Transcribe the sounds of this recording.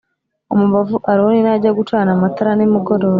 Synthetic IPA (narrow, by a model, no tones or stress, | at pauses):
omuβavuʔaɾiwoninaɟaɡutaːnamataɾanimuɡoɾoːɾa